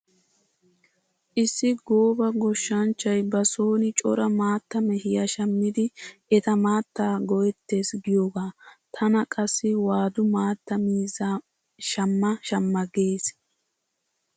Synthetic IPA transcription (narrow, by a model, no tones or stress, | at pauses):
ʔɪsːɪɡoːbɐɡɔʃːɐnt͡ʃːɐjbɐso̞ːnɪt͡ʃʼɔ̰ɾɐmaːt̪ːɐmɛhɪjɐʃɐmːɪd̪ɪʔɛt̪ɐmaːt̪ːaːɡɔjɛt̪ːe̞ːsɡɪjoːɡaːt̪ʰɐnɐkʼɐsːɪwaːd̪ʊmaːt̪ːɐmiːza | ʃɐmːɐʃɐmːɐɡe̞ːs